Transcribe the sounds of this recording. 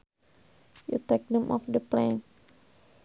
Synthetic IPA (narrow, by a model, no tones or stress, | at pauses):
jṵt̪ɛk̚nəmʔɔ̰fdəplɛ̃n